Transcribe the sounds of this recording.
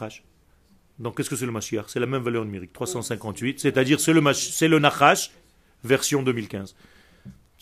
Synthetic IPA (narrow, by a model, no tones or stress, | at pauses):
aʃ | d̪ɔ̃kʲɛskəsɛləmaʃiaʁsɛlamɛmvalœʁnymeʁik̚t̪χwasɑ̃sɛ̃kɑ̃t̪ɥit̪sɛt̪ad̪iʁsɛləmaʃsɛlənaχaʃ | vɛʁsjɔ̃d̪ømilkʲɛ̃z